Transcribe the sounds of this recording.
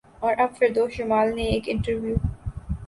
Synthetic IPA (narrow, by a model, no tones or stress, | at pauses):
ɔːɾʔɐbfɪɾd̪oːʃʊmaːlneeːkɪ̃ɳʈəɾʋjuː